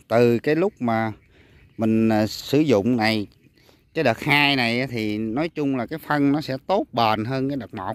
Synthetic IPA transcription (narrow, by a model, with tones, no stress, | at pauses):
t̪ɨ˨˩kaː˨˦jlʊ˦˥k͡p̚maː˨˩ | mï˨˩ŋ̟ː˨˩sɨ˧˩˦zʊ̰˧˨ŋ͡mna˨˩j | t͡ɕə˧˦ɗəː˨˩t̚haː˧jna˨˩jʔaː˨˦t̪ʰi˨˩nɔ˨˦jt͡ɕʊ˧ŋ͡mlaː˨˩kaː˨˦jfə˧nnɔ˨˦sɛ̰˧˥t̪o˦˥t̚ɓaː˨˩nɦəː˧nkaː˨˦jɗəː˨˩t̚mɔ̰˨˩